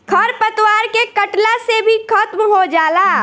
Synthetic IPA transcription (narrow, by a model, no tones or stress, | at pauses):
kʰɐɾpət̪waːɾkekɐʈlasebʱikət̪mɦod͡ʒaːlaː